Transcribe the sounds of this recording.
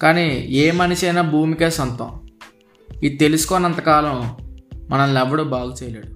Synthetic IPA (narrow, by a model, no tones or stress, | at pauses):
kaːniːeːmɐniʃɐjnaːbʱuːmikeːsɔnt̪ɐ̰̃m | iit̪e̞lusu̥kɔːnɐnt̪ɐkaːlɐmmɐnɐmlɛʋɐɽoːbaːɡut͡ʃɛjɐleːɽu